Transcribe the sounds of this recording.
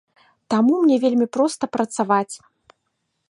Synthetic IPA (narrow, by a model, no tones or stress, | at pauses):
t̪amumnʲɛvʲelʲmʲipɾɔst̪ɐpɾɐt̪savat͡sʲ